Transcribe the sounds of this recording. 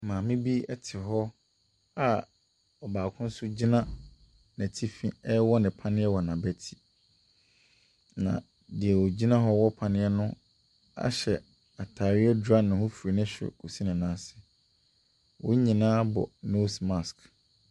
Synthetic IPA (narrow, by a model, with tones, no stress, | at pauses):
mãː˨mɪ̃˦bi˦ɛ˦tʰɪ˨ɦɔ˦ | a˦ | ɔ˨baː˨kʰʊ̃˦n̩˦sʊ˦d͡ʑi˦nã˦ | næ̃˨tʰi˦fḭ̃˦ɛ˦wɔ˦nɪ̃˨pʰa˦nɪ̃˦ɛ˦wɔ˨nã˨bæ˨tʰi˦ | nã̰˨ | dɪ˨ɛ˨wɔ˨d͡ʑi˦nã˦ɦɔ˦wɔ˦pʰa˨nɪ̃˦ɛ˦nʊ̃˦ | a̰˦ɕɛ˨ | a˨tʰaː˨ɾɪ˦ɛ˦dɾa˦nʊ̃˨hʊ˦fu˨ɾi˨nɪ̃˦ɕᶣɪ̰˨kʰu˨si˦nɪ̃˨nãː˦sɪ̥˨ | wʊ̃˦ɲĩ˨nãː˦bɔ̰˨no˦sma˨sk